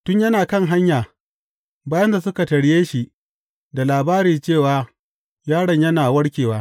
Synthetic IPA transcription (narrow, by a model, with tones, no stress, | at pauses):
tʊ˦ɲjɐ˦naː˨kɐ˦˨ŋɦa˦ɲjaː˨ | baː˦jɐ˦nda˨sʊ˦ka˨tɐ˨ɽɪ˦jeː˦ʃi˨ʔ | da˨laː˨baː˦ɾiː˨t͡ʃeː˦˨waː˨ | jaː˦ɽɐ˨ɲjɐ˦naː˨wɐ˦ɽkʲeː˨waː˦